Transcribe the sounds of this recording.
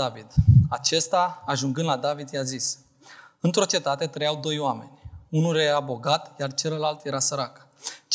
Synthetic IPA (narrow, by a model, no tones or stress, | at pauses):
avid̪at͡ʃe̞st̪aːʒuŋɡɨnd̪lad̪avid̪jazis | ɨnt̪ɾo̞t͡ʃe̞t̪at̪e̞t̪ɾəjawd̪o̞joame̞̰nʲunuleɾabo̞ɡat̪jart͡ʃe̞ləlalt̪je̞ɾasəɾakt͡ʃ